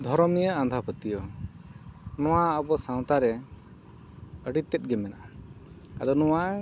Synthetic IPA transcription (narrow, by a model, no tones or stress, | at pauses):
b̪ʱɔɾɔmijəand̪ʱapʰət̪ijɔ | nɔ̃waəbɔsãw̃t̪aɾɛ | əɽit̪ːɛt̪̚ɡɛmɛnaʔa | a̰d̪ɔnɔwa